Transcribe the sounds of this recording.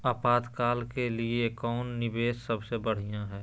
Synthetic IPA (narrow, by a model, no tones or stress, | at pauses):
aːpaːt̪kaːlkeliekɔːnːɪbeːssəbsebəɽ̤ijãɦɛː